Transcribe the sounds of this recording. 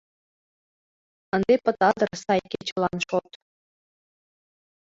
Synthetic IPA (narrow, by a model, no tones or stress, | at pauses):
ɤ̆nd̪epɤ̆t̪ɑd̪ɤ̆rsɑjkʲet͡ɕɤlˠɑnʃot̪